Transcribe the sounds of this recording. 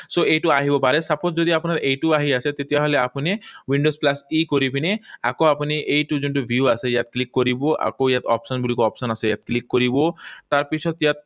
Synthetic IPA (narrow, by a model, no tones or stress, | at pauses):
soejʈuaɦibopaɾesaposd͡ʒod̪iapunaɾejʈuaɦiaset̪et̪iaɦoleapuniwiɳɖosplasikoɾipinea̰koapuniʔejʈud͡ʒuɳʈubʱiuasejat̪klikːoɾiboa̰kojat̪ɔ̰psɔnbulikuɔpsɔnaseja̰t̪̚klikːoɾibot̪aɾpit͡ʃʰɔt̪jat̪̚